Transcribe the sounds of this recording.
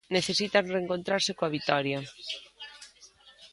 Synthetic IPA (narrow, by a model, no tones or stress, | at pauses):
neθesit̪areŋkont̪ɾaɾsɪkoaβit̪ɔɾjɐ